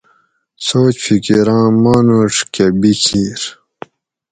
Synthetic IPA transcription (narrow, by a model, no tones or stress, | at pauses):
soːt͡ɕfʰikiɾɑ̃ːmaːnoʈ͡ʂkebikʰiːɾ